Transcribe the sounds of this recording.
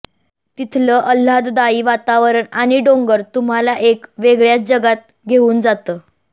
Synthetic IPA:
t̪it̪ʰləːʔəl̤ːat̪d̪aiːʋat̪aʋəɾəɳaɽ̃iɖoŋɡəɾt̪um̤alaʔekʋeɡɭjat͡sd͡ʑəɡat̪̚ | ɡʱeuːnd͡zat̪əː

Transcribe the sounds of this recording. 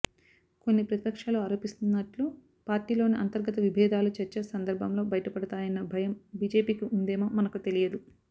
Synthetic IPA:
ko̞nːipɾɐt̪ipɐkʂaːluɐɾoːpist̪unːɐʈlu | paːɾʈiːlo̞ːniʔɐnt̪ɐɾɡɐt̪ɐʋibʱɛːd̪aːlut͡ʃɛɾt͡ʃesɐnd̪ɐɾbʱɐmlo̞ːbɐjɐʈɐpɐɽɐt̪aːjɐnːɐbʱɐjɐmbiːd͡ʒe̞ːpiːkiʔund̪ɛːmoːmɐnɐkut̪e̞lijɐd̪u

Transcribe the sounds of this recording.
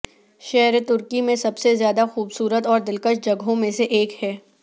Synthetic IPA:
ʃɛɦɾt̪ʊɾkimẽsɐbsezjaːd̪axuːbsuːɾət̪ɔːɾd̪ɪlkəʃd͡ʒɐɡɦõmẽseʔeːkhɛː

